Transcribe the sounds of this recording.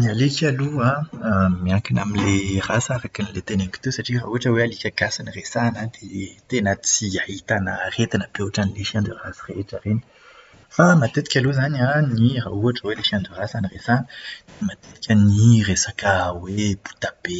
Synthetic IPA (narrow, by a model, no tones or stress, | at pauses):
nialekʲaluamiaŋkinamilerasaɾakinilet̪eneki̥t̪esaʈ͡ʂira̰uaʈ͡ʂəwealikʲaɡasaniresanad̪et̪enət͡siaɦit̪anəret̪anəbuaʈ͡ʂanileʃiãnd̪urasireʈ͡ʂareni̥ | famat̪et̪i̥kʲaluzananirauaʈ͡ʂəweleʃiand̪urasaniresand̪mat̪et̪i̥kʲəniresakəwebu̥t̪ab̥e